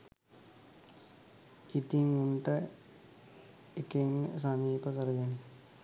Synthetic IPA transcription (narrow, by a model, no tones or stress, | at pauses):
it̪iŋunʈə | ekeŋsaniːpəkəɾəɡeni